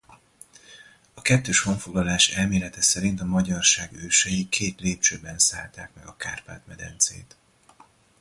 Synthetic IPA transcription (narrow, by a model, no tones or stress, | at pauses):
ɒkɛt̪ːøːʃho̞ɱfo̞ɡlɒlaːʃɛlmeːlɛt̪ɛsɛɾint̪ɒmɒɟɒrʃaːɡøːʃɛjikʰeːt̪leːpt͡ʃøːbːɛnsaːlt̪aːkmɛɡɒkaːrpa̰ːt̪mɛd̪ɛ̰nt̪sḛːt̪